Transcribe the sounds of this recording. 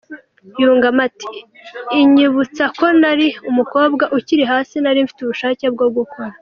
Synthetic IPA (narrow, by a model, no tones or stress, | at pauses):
juːŋɡamati̥ː | ɲiβut͡sako̞naɾiumuko̞ːbɡaʔuciɾiɦaːsinaɾiɱfi̥tuβuʃaːce̞b̚ɡoɡukʰo̞ɾa